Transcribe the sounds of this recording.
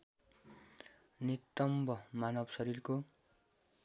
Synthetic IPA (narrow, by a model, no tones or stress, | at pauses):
nit̪ːʌmbʱʌmanʌbsʌɾirko